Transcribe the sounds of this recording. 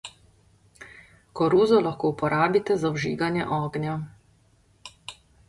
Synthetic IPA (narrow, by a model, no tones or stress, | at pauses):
kɔɾuːzɔlaxkoːupɔɾaːbit̪ɛzawʒḭːɡanjɛʔɔːɡnja